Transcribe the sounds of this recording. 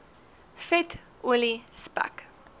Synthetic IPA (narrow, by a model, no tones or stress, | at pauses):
fɛt | ʔulispa̰k